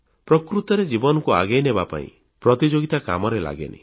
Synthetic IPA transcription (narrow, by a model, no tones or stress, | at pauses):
pɾɔkɾut̪ɔɾed͡ʒibɔnɔkua̰ɡejnebapa̰ḭ̃ | pɾɔt̪id͡ʒoɡit̪aka̰mɔɾela̰ɡḛnḭ